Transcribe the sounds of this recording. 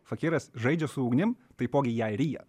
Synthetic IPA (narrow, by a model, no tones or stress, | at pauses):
fɐkʲɪɾɐsʒɐɪd͡ʒʲɛsʊuːɡnʲɪmt̪ɐɪpoːɡʲɪjæɾʲiːjɛ̰